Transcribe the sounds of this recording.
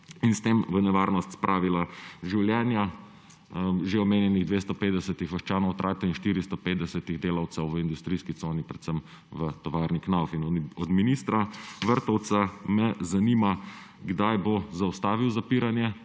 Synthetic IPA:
inst̪eːmʋənɛʋaɾnɔst̪spɾʔaːʋilaʒiwljɛnja | ʒeɔmeːnjɛniɣd̪ʋest̪ɔpeːt̪d̪ɛsɛt̪ixʋəʃt͡ʃaːnɔwt̪ɾʔaːt̪ɛinʃt̪iːɾist̪ɔpeːt̪d̪ɛsɛt̪iɣd̪eːlawt̪sɛwʋəind̪ust̪ɾiːskit̪soːnipɾɛt̪səm | ʋət̪ɔʋaːɾniknawfinɔd̪minist̪ɾaʋəɾt̪ɔwt̪samɛzanima | ɡd̪ajbozaɔst̪aːʋiwzapiːɾanjɛ

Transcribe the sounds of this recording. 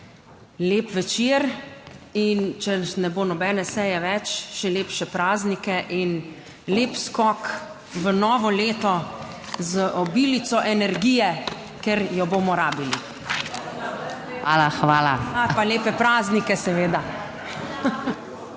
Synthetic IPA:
leːpʋɛt͡ʃiɾ | int͡ʃɛnɛboːnɔbɛnɛsɛjɛʋɛt͡ʃʃɛleːpʃɛpɾaːznikɛʔin | leːpskɔːk | ʋənɔːʋɔleːt̪ɔ | zəʔɔbiːlit̪sɔʔɛnɛɾɡiːjɛ | kɛɾjɔboːmɔɾaːbili | alaxʋaːlaapaleːpɛpɾaːznikɛsɛʋeːd̪a

